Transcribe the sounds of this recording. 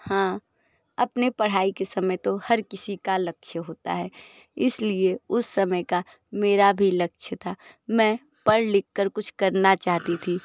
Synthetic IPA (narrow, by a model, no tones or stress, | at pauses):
hãː | ɐpnepɐɽ̤aːikesɐməjt̪ohɐɾkɪsikalɐkʃʰəɦoːt̪a̰ɦɛː | ɪslieʊsːɐməjka | meːɾabʱilɐk̚ʃʰət̪ʰaːmɛ̃ː | pɐɽlɪkːəɾkʊt͡ʃʰkɐɾnat͡ʃaːɦt̪it̪ʰiː